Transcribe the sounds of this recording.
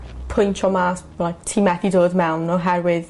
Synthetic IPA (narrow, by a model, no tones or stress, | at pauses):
pʰʊjntʰɔmaːs | laktʰimɛθidoːdmɛwnɔɦɛrwɪð